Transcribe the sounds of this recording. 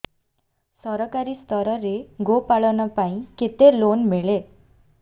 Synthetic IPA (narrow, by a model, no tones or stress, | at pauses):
sʌɾʌkaɾist̪ʰʌɾʌɾeɡopaɭʌnʌpaĩket̪elonmeɭe